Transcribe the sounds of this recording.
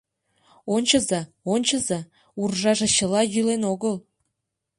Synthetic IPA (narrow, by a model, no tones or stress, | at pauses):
onʲt͡ɕəzɑ | onʲt͡ɕəzɑ | urʒɑʒeɕəlɑjylenoɣəl